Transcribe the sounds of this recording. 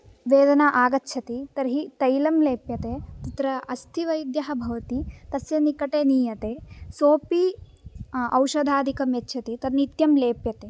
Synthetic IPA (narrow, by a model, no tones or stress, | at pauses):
ʋeːd̪ɐnaʔaːɡɐtːʃʰɐt̪it̪ɐɾɦit̪ɐjlɐmleːpjɐt̪eːt̪it̪ɾɐɐst̪ʰiʋɐjd̪jɐɦɐ̆bʱɐʋɐt̪it̪ɐsjɐnikɐʈeːniːjɐt̪eːsoːpi | ɐ̰wʃɐd̪ʱaːd̪ikɐmjɐtːʃʰɐt̪it̪ɐnit̪jɐmleːpjɐt̪eː